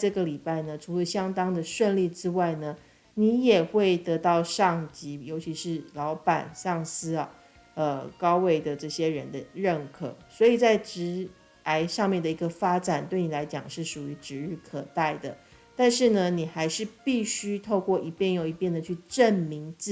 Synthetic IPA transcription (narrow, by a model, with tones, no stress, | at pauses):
ʈ͡ʂɤ˥˩ɡə˩li˨˩pa˥˩ɪnə˩ʈ͡ʂʰu˧˥lə˧ɕjɑ˥ŋt̪ɑ˥ŋd̪ə˨ʂwə˥˧nli˥˩ʈ͡ʂɻ̩˥wa˥˩ɪnə˩ | ni˧˥jɛ˨˩xwe˥˩ɪt̪ɤ˧˥t̪ɑ˥˧ʊʂɑ˥˩ŋt͡ɕi˧˥jo˧˥ʊt͡ɕʰi˧˥ʂɻ̩˥˩lɑ˧˥ʊpa̰˨˩nsɑ˥˩ŋsɹ̩˥ɐ̰˨ | ə˧kɑ˥ʊwe˥˩ɪd̪ə˩ʈ͡ʂɤ˥˩ɕjɛ˥ɻə˧˥nd̪ə˧ɻə˥˩nkʰɤ̰˨˩˦swɔ˧˥i˨˩t͡sa˥˩ɪʈ͡ʂɻ̩˧˥ | a˧˥ɪʂɑ˥˧ŋmjɛ˥˩nd̪ə˩i˧˥ɡə˧fa˥ʈ͡ʂa˨˩nt̪we˥˩ɪni˨˩la˧˥ɪt͡ɕjɑ̰˨˩ŋʂɻ̩˥˩ʂu˨˩y˧˥ʈ͡ʂɻ̩˧˥ɻɻ̩˥˩kʰɤ˨˩t̪a˥˩ɪd̪ə̰˩ | t̪a˥˧nʂɻ̩˥˩nə˩ni˨˩xa˧˥ɪʂɻ̩˥˧pi˥˩ɕy˥t̪ʰo˥˧ʊkwɔ˥˩ʔi˧˥pjɛ˥˩njo˨˩ʊi˧˥pjɛ˥˩nd̪ə˨t͡ɕʰy˥˧ʈ͡ʂə˥˩nmi˧˥ŋt͡s̩˥˩